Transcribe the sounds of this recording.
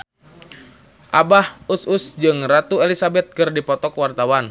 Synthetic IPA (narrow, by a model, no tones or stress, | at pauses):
ʔabahususd͡ʒɨŋrat̪uelisabɛt̪̚kɨrdipɔt̪ɔkwart̪awan